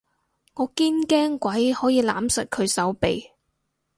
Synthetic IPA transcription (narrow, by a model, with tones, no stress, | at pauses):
ŋɔː˨˧kiː˥nkɛː˥ŋkʷwɐ˨˥jhɔː˨˥jiː˧laː˨˥msɐ˨t̚kʰɵ˨˧ɥsɐ˨˥wpe˨j